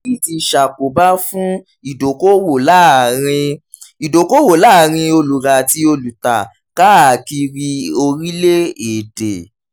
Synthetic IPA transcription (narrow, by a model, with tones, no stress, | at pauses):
i˦˨ti˧ʃa˨k͡po˨ba˦fũ˦ | i˦˨do˨ko˦wo˨la˦˨ɾ̃ĩ˧ | i˨do˨ko˦wo˨la˦˨ɾ̃ĩ˧o˧lu˨ɾa˨ti˧˦o˧lu˨ta˨ | ka˦a˨ki˧ɾi˧o˧ɾi˦le˦e˨de˨